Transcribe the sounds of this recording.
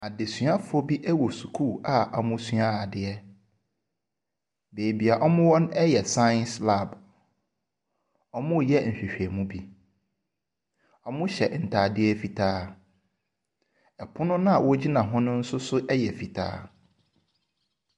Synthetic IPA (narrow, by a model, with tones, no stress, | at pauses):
a˨de˨sɥa˦fʊ˨˦ɔ˦bi˦ʔɛ˦wɔ˨su˨kʰu˦˨a˨a˨mʊ̃˦sɥa˦a˨dɪ˨ɛ˦ | beː˨bi˨a˨ʔɔ˦mʊ̃˦wɔ̃˦nɛ˦jɛ˨sa˦n˦sla˦˨b | ɔ˦mʊ̃˦˨jɛ˦n̩˨ɕᶣe˨ɕᶣɛ˨mũ˦bi˦ | ɔ˦mʊ̃˦ɕɛ˨n̩˨tʰaː˨dɪ˦ɛ˦fi˨tʰaː˦ | ɛ˨pʰʊ̃˦nʊ̃˦nã˦a˨wɔ˦d͡ʑi˦nã˨ɦʊ̃˦nʊ̃˦n̩˦sʊ˦sʊ˦ʔɛ˦jɛ˨fi˨tʰa̰ː˦